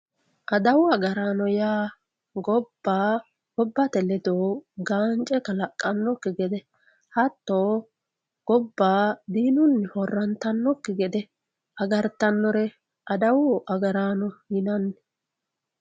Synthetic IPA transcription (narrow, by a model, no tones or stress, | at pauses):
ʔɐd̪ɐwʊɐɡɐɾaːnɔjaː | ɡɔb̥ːaː | ɡɔbːɐt̪ɛlɛd̪oːɡaːnt͡ʃʼɛkɐlɐkʼːɐnːɔkːɪɡɛd̪ɛ | hɐt̪ːoː | ɡ̥ɔbːaːd̪iːnʊnːhɔrːɐnt̪ɐnːɔkːɪɡɛd̪ɛ | ʔɐɡɐɾt̪ɐnːɔɾɛ | ʔɐd̪ɐwʊʔɐɡɐɾaːnɔhɪnɐnː